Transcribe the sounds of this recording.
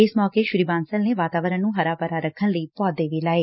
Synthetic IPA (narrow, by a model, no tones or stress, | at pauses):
ɪsmɔːkeːʃʊɾiːbãːnsəlneːʋaːt̪aːʋəɾə̃nũːɦəɾaːpəɾaːɾəkʰːənləiːpɔːd̪eːʋiːlaːeː